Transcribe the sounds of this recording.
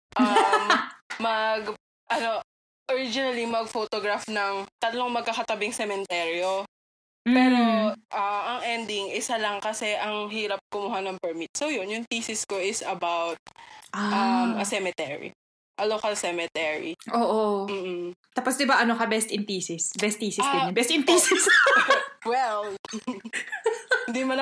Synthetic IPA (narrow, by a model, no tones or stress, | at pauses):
ʔɐmːɐɡ | ʔɐno̞ | ʔoɹid͡ʒɪnɐlimɐɡ̚fot̪oɡɹafnɐŋt̪ɐt̪loŋmɐɡ̚kakɐt̪ɐbɪŋsɛmɛnt̪ɛɾjo | m̩pːɛːɾoʔɐʔɐŋʔɛnd̪ɪŋʔɪsalɐŋkɐsɛʔɐŋɦiːɾɐp̚komʊɦanɐŋpɛɹmit̪̚sowjonjʊŋtiːsɪskoʔɪsɐbawt̪̚ʔaɐmʔɐsɛmɛt̪ɛɹḭ | ʔɐlokɐlsɛmɛt̪ɛɹḭʔoːʔom̩ːt̪aːposd̪ɪbaʔɐno̞kɐbɛst̪ɪnp̪iːsɪsbɛst̪̚ːiːsɪsɪnɛbɛst̪ɪnpiːsɪs | wɛl | ɪnd̪imɐn